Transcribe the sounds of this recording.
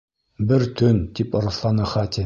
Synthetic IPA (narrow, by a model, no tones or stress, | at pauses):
bɘɾt̪ɵnt̪ipŏɾɤ̆slˠɑnɤ̆χɑt̪ʲɘ